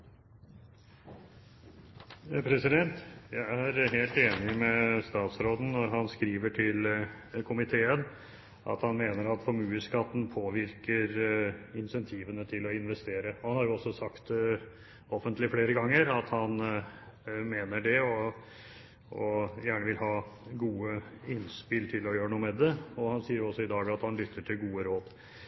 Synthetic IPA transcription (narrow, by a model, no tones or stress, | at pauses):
pʰɾɛsɪd̪ɛnt̪jæɪæɾɦeːlt̪eːnɪmɛst̪ɑːt̪sɾoːd̪n̩ːɔɾɦɑnskɾiːʋəʈʰɪl | kʰʊmɪt̪ʰeːən | ʔɑ̰t̪hɑnmeːnəɾɑt̪fɔɾmʉːəskɑt̪ːn̩pʰoːʋɪɾkəɾɪnsɛnt̪ʰiːʋənət̪ʰɪlɔɪnʋɛst̪eːɾəɔhɑnhɑɾjʊɔsːɔsɑkt̪ | ɔfənt̪lɪfleːɾəɡɑŋːəɾɑt̪hɑn | meːnəɖɛɔ | ɔjæːɳəʋɪlɦɑːɡuːəɪnspɪlt̪ʰɪlɔjøːɾənuːəmɛd̪ɛɔhɑnsiːəɾjɔsːɔɪd̪ɑːɡɑt̪hɑnlʏt̪ʰːəʈʰɪlɡuːəɾoːd̪